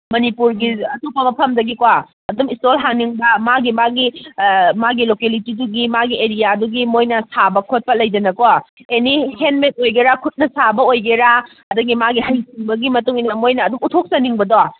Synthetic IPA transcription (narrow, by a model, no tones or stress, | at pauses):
mɐnipuɾɡiɐtopɐmɐpʰɐmdɐɡikoaː | dumistolɦaŋniŋbɐmaɡimaɡi | maɡilokelitiduɡimaɡieɾijaduɡimojnɐsabɐkʰot̚pɐlɐjd͡ʒɐnɐkoaenihenmet̚ojɡeɾakʰut̚nɐsabɐojɡeɾa | ɐdɐɡimaɡihajsiŋbɐɡimɐtuŋinɐmojnɐːdumutʰok̚sɐniŋbɐdoa